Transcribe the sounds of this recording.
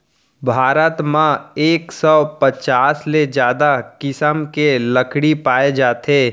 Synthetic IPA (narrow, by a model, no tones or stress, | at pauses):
bʱaːɾət̪mãeːksɔpət͡ʃaːsled͡ʒjaːd̪akɪsəmkeləkɽipaːed͡ʒaːt̪eː